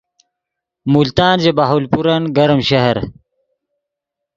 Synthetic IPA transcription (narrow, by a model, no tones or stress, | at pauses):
mult̪aːnd͡ʑebaɦolpuɾɐnɡɐɾmɕɐɦɐɾ